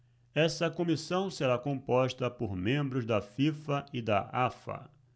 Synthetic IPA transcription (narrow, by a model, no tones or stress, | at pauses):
ɛsɐkõmisɐ̃w̃seɾakõpɔʃt̪ɐpoɾmẽmbɾʊzd̪ɐfifɐɪd̪ɐ̰afɐ̰